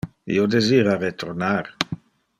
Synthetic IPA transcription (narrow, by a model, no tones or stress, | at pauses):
ḭod̪eziːɾaɾet̪ʰoɾnaɾ